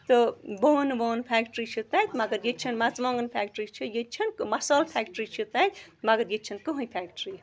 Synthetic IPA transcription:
t̪oboːnboːnpʰɛːkʈɾit͡ʃʰut̪at̪ʲmɐɡɐɾjet͡ʃʰɐnmɐt͡smõːŋɡɐnpʰɛːk̚ʈɾit͡ʃʰɨjet͡ʃʰɐnkmɐsaːlpʰɛːkʈɾit͡ʃʰut̪at̪ʲmɐɡɐɾjet͡ʃʰɐnkɨɦũjpʰɛːkʈɾi

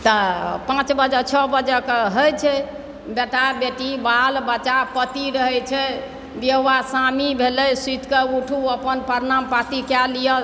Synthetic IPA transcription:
t̪ɔpãt͡ʃbəd͡ʒət͡ʃʰɔbəd͡ʒəkɦəjt͡ʃʰɛ | beʈabeʈibalbət͡ʃapət̪iɾəɦɛt͡ʃʰɛ | d̪eɦwasamibʱelɛjsit̪kəuʈʰuəpənpəɾnampat̪ikɛlijə

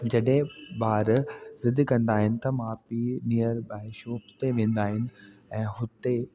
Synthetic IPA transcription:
d͡ʑɐɗɦẽbaːɾzɪd̪kɐ̃nd̪aːɦɪnɪ̆t̪ɐmãpinijəɾbaːɪʃõɦʊt̪eʋẽːn̆d̪aːɦɪnɪ̆ɛ̃ːɦʊt̪e

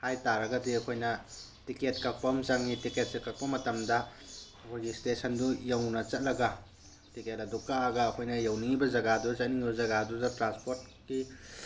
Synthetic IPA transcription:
hajtaɾɐɡɐdiɐkʰojnɐ | tiket̚kɐk̚pɐmzɐŋnitiket̚sikɐk̚pɐmɐtɐmdɐ | ɐkʰojɡistesɐndujɐwnɐt͡ʃɐt̚lɐɡɐ | tiket̚ɐdukaɡɐɐkʰojnɐjɐwniŋibɐd͡ʒɐɡadut͡ʃɐt̚niŋibɐzɐɡadudɐtɾanspoɾt̚ki

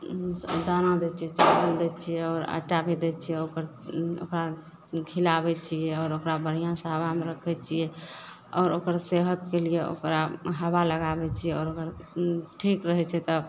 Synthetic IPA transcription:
d̪anad̪ɛt͡ʃʰɛt͡ʃakəld̪ɛt͡ʃʰijɛɔːɾə̰ʈabʱed̪ɛt͡ʃʰijɛokəɾo̰kɾa | ɡʰʱilabɛt͡ʃʰijɛɔːɾokɾabəɽ̤ijãsə̃ɦəβameɾəkʰɛt͡ʃʰijɛ | ɔːɾokəɾseɦək̚kelijeo̰kɾaɦəbaləɡabɛt͡ʃʰijɛɔːɾokəɾʈʰikɾəɦɛt͡ʃʰɛt̪ɔ

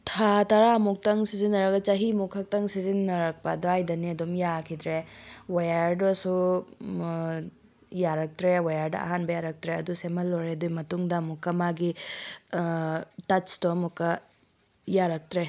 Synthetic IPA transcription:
tʰatɐɾamuk̚tɐŋsizinːɐɾɐkɐt͡ʃɐɦimukʰːɐk̚tɐŋsizinːɐɾɐk̚pɐduajdɐniɐdumjakʰidɾewajaɾdɔsu | jaɾɐk̚tɾewajaɾdɐ̰ʔɐ̰ɦanbɐjaɾɐk̚tɾeɐdusemɐlːoɾedujmɐtuŋdɐmukːɐmaɡi | tɐt͡ʃtomukːɐ | jaɾɐk̚tɾe

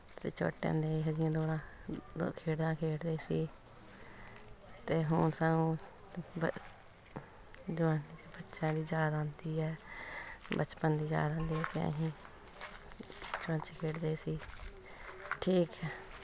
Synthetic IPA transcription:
sḭt͡ʃʰo̰ːʈːḛ̃ːnd̪eːɦəd͡ʒɪjãːd̪oːɽã̰ː | kʰeːɽd̪ãːkʰeːʈd̪eːsiː | t̪eːɦʊnsanũː | bə | d͡ʒʋaːniːbətːʃãːd̪iːd͡ʒaːd̪aãːnd̪iːɛː | bət͡ʃpənd̪iːd͡ʒa̰ːd̪ãːnd̪iːɛːt̪ḛːə̰ɦĩː | t͡ʃʊɽə̃nt͡ʃːkʰeːʈd̪eːsiː | ʈʰiːkɛː

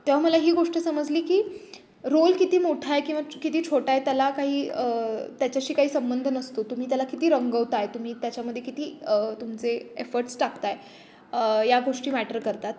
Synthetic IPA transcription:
t̪eʋ̤aməlaɦiːɡoʂʈəsəməd͡zliːkiː | ɾolkit̪iːmoʈʰajkĩw̃ʋakit̪iːt͡ɕʰoʈajt̪jalakaɦiːət̪jat͡ɕjaɕiːkaɦiːsəmbənd̪ʱənəst̪ot̪um̤iːt̪̬jalakit̪iːɾəŋɡəʋt̪ajt̪um̤iːt̪jat͡ɕjaməd̪ʱjekit̪iːət̪umt͡seefəɾʈsʈakt̪aj | jaɡoʂʈiːmæʈəɾkəɾt̪at̪̚

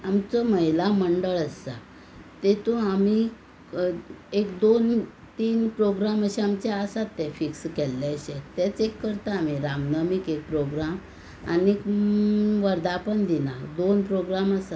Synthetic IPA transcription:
amt͡sɔməɦjlaməɳɖəɭəsa̰ | t̪et̪oami | ekd̪on | t̪iːnpɾoɡɾaməɕeamt͡ɕeasat̪ːɛ̃fikskɛlːaɕet̪ɛt͡sekːəɾt̪aːmiɾamnəmikek̚pɾoɡɾam | a̰nek | ʋəɾd̪apəɳd̪inad̪onpɾoɡɾaməsa

